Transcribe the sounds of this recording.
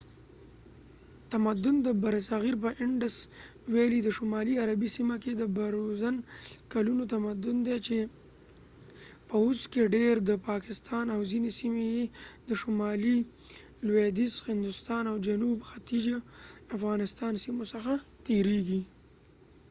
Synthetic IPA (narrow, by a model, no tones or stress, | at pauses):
t̪amad̪ʊnd̪əbaɾasaɣiɾpəʔɪɳɖəswelid̪əʃʊmɑliaɾabisimaked̪əbaɾozankalunot̪amad̪ʊnd̪et͡ʃe | pəʊskeɖeɾd̪əpɑkɪst̪ɑnawzinesimejed̪əʃʊmɑli | lwed̪ishɪnd̪ʊst̪ɑnawd͡ʒanubxat̪id͡ʒaafɣɑnɪst̪ɑnsimosəxat̪eɾeɡi